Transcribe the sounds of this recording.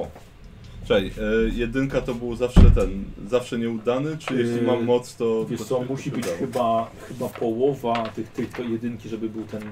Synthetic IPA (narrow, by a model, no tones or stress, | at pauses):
ɔ | t͡ʂɛjjɛd̪ɘŋkat̪ɔbɘwzafʂɛt̪ɛnzafʂɛɲɛud̪anɘt͡ʂɘjɛɕlʲimamːɔt̪st̪ɔvjɛʂsɔmːuɕibɘt͡ɕɔxɘbaxɘbapɔwɔvat̪ɘxt̪ɘkɔjɛd̪ɘŋkʲiʐɛbɘbɘwt̪ɛn